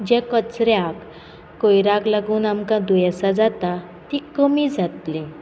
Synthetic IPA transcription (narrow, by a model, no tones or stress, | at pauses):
d͡ʑɛ̃kət͡sɾjakː | ojɾaklaɡuːnamkãd̪ujɛsad͡zat̪a | t̪ikəmiːd͡zat̪lẽ